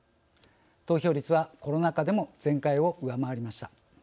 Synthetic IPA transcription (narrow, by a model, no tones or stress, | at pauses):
t̪o̞ːço̞ːɾʲit͡sɨβako̞ɾo̞nakad̪e̞mo̞d͡zẽ̞ŋkaio̞ʔɯ̟amaβaɾʲimaɕi̥t̪a